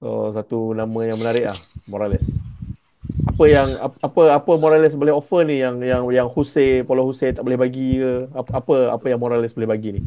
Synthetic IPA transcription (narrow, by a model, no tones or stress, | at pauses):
ʔo̰sat̪unamə̃jaŋmənaɾɪʔla̰hmoɾalɪs | apəjaŋa̰apəapəmoɾalɪsboleɦofənijaŋjaŋjaŋhusepalohuset̪aʔbolehbaɡikəapəa̰pəjaŋmoɾalɪsbolehbaɡinih